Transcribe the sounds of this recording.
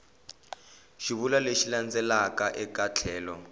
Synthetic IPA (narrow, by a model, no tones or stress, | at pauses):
ʃiβulaleʃiland͡zɛlakaʔɛkat͡ɬʰɛːlɔ